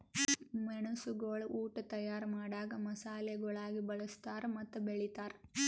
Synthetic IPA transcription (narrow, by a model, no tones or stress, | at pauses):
mɐɳusuɡoɭuʔuːʈɐt̪ɐjaːɾɐmaːɽaːɡɐmɐsaːlɛːɡɐɭaːɡibɐɭust̪aːɾmɐt̪ːubeɭit̪aːɾ